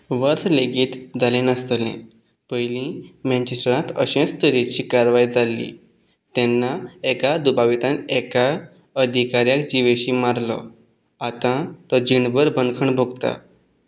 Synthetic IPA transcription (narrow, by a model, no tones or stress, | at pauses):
ʋəɾsleɡiːt̪d͡zalẽnəst̪lḛ̃ | pəjlĩmɛ̃ɲt͡ɕesʈəɾãt̪əɕẽst̪əɾet͡ɕiːkaɾʋaid͡zalːḭː | t̪ɛnːaekad̪ubaʋit̪ãneka | əd̪ʱikaɾjakd͡ʑiʋeɕiːmaɾlɔ̰ | at̪ãt̪əd͡ʑiɳbəɾbʱənkʰəɳbʱoɡt̪a̰